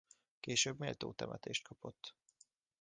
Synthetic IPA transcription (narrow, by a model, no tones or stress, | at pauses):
keːʃøːbmeːlt̪o̰ːt̪ɛmʔɛt̪eːʃt̪̚kʰɒpo̞t̪ː